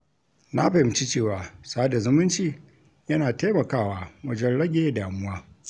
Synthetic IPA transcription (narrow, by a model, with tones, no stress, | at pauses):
na˦ɸa˨hɪ˨mt͡ʃi˦t͡ʃeː˦˨waː˨sa˦a˦da˨zʊ˦mʊ˦nt͡ʃiː˨ | jɐ˦naː˨ta˦mɐ˨kaː˦waː˦wɐ˦d͡ʒɛ˦nɽɐ˦ɡʲeː˦˨daː˨mʊ˦waː˦